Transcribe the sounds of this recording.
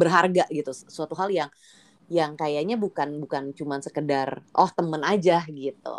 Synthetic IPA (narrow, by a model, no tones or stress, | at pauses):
bərɦarɡaʔɡit̪usuat̪uɦaljaŋ | jaŋkajaɲabukanbukant͡ʃumansəkədarʔɔht̪əmənad͡ʒahɡit̪ṵ